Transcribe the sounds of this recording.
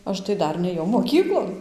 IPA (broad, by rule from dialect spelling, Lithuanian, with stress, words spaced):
ˈɐʃ tɐɪ ˈdɐr nʲeːˈjɛʊ moːˈkʲiːklˠoːn